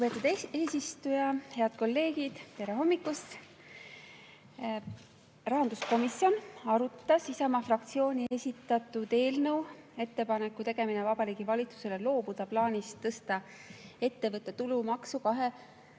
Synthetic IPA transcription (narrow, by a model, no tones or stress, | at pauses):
kupe̞t̪ud̪e̞ːsist̪ujɑhe̞ɑd̪̥̚ko̞lːe̞ːɡid̪̥pe̞ɾe̞ɦo̞mːikːˑus | rɑɦɑnd̪̥usko̞misjo̞nɑɾut̪ːˑɑsisɑmɑfrɑkt̪sio̞ːnʲie̞sʲit̪ːˑɑt̪ːˑud̪e̞ːlnəw | e̞t̪ːe̞pɑnekːˑut̪e̞ɡ̥e̞minevɑbɑɾiːɡ̥ivɑlʲit̪su̥se̞le̞lo̞ːbud̪̥ɑplɑːnʲist̪ːɤst̪ɑe̞t̪ːe̞vɤt̪ːˑe̞t̪ulumɑksukɑɦe̞